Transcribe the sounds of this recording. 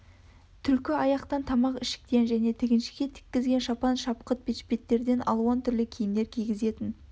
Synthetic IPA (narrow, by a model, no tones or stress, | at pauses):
t̪ʰʏlkʲɪɑjɑqt̪ɑnt̪ʰɑmɑqɪʃɪ̥k̚t̪e̞nʒæne̞t̪ʰɪɡʲɪnʃɪ̥ɡʲe̞t̪ʰɪ̥kʲːɪzɡʲe̞nʃɑpɑnʃɑp̚qət̪̚bet̪ʃpʲe̞t̪ːe̞ɾd̪e̞nʔɑ̰lˠuwɑnt̪ʰʏɾlɪkʲʰijɪmd̪e̞ɾkʲʰijɡʲɪze̞t̪ɪn